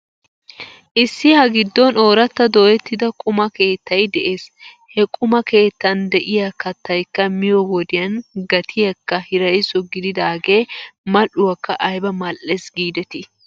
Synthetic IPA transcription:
ʔɪsːɪhɐɡɪd̪ːɔnoːɾɐt̪ːɐd̪ɔʔɛt̪ːɪd̪ɐkʼʊmɐke̞ːt̪ːɐjd̪ɛʔe̞ːs | hɛkʼʊmɐke̞ːt̪ːɐnd̪ɛʔɪjɐkɐt̪ːɐjkːɐmɪjɔwɔd̪ɪjɐnɡɐt̪ʰɪjɐkːɐhɪɾɐjsɔɡɪd̪ɪd̪aːɡe̞ːmɐlʊwɐkːɐʔɐjbɐmɐlːɛsɡiːd̪ɛt̪ɪ

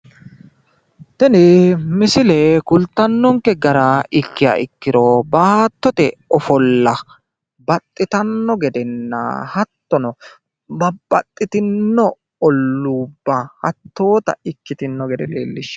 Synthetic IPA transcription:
t̪ɛnɪmɪsɪlɛkʊlt̪ːɐnːɔŋkɛɡɐɾaɪkːɪja̰ɪkːɪɾɔbaːt̪ːɔt̪ɛɔfɔlːɐ | bɐt̪ʼːɪt̪ɐnːɔɡɛd̪ɛnːɐ̰hɐt̪ːɔnɔ | bɐbːɐt̪ʼːɪt̪ɪnːɔ | ɔlːuːbːɐhɐ̰t̪ːo̞ːt̪ɐ̰ɪkːɪt̪ɪnːɔɡɛd̪ɛlḛːlːɪʃ

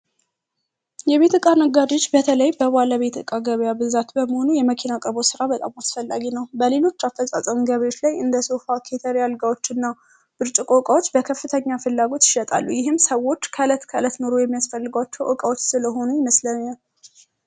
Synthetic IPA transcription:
jɛβe̞t̪ɨkʼanəɡad̪ot͡ʃːbət̪ʰələjbəbalaβe̞t̪ʰɨ̰kʼaɡəβjabɨzat̪bəməho̞nujɛməkʰinakʼəɾbo̞sɨɾabət̪ʼamasfəlːa̰ɡinəwbəle̞lo̞t͡ʃːafːəsʼa̰sʼəmɡəβəjo̞t͡ʃːlajɨnd̪əso̞fakʰe̞t̪ʰəɾialɡawot͡ʃːɨnːa | b̥ɨɾt͡ʃʼikʼokʼawo̞t͡ʃːbəkʰəfɨt̪ʰəɲːafɨlːaɡo̞t̪jɪʃɛt̪ʼa̰lːujɪɦɨmːsəwːo̞t͡ʃːkʰəɨlət̪kʰəɨlət̪no̞ɾo̞jɛmːijasfəlːɨɡəwat͡ʃːɛwʔɨkʼəwot͡ʃːsɨləɦo̞nujɪməsləɲal

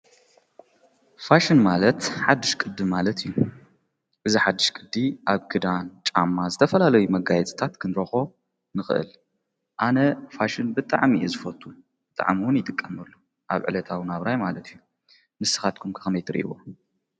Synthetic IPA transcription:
faʃɨnmalɐt̪ħad̪ːɨʃkʼɨd̪ɨmalɐt̪ʰijːu | ʔɨziħad̪ːɨʃkʼɨd̪ːiʔaβɡɨd̪ant͡ʃʼa̰mːazɨt̪ʰɐfɐlalɐjumɐɡajɛt͡sʼɨ̥t̪ʰat̪kʰɨnɾɐxo̞ | nɨxɨ̰ʔɨ̰l | ʔanɐfaʃɨnbɨt̪ʼa̰ʕmiʔɛzɨfɐt̪ʼːu | bɨt̪ʼa̰ʕmiwʊnjɪt̪ʼɨkʼːɐmɐlːu | ʔa̰βʕɨ̰lɐt̪ʰawnaβɾajmalɐt̪ʰijːu | mɨsɨ̥xat̪̚kʰumkʰɨ̥xɐmɐjt̪ʰɨɾḭʔḭwo

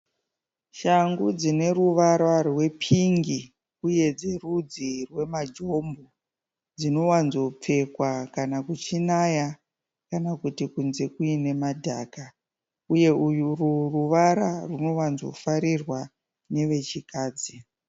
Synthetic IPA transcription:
ʃaŋɡud͡zine̞ruʋaɾarwe̞pʰiŋɡi | uje̞d͡ze̞rud͡zirwe̞mad͡ʒo̞mbo | d͡zino̞wanzo̞p͡fe̞kwakanakut͡ʃinaja | kanakutikunze̞kuine̞madʱa̰ka | uje̞ujururuʋaɾaruno̞wanzo̞̰faɾirwa | ne̞ʋe̞t͡ʃikaːd͡zi

